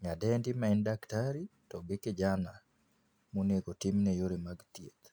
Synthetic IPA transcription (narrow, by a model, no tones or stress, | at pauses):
ɲadɛndimaindaktaɾi | tɔɡɪkɪd͡ʒana | moneɡotimnejoɾemaɡt̪jet̪